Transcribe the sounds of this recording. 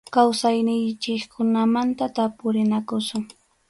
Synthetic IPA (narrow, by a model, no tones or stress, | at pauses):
kawsajnɪjt͡ʃɪkkʰʊnamant̪at̪apʊɾɪnakʊsʊŋ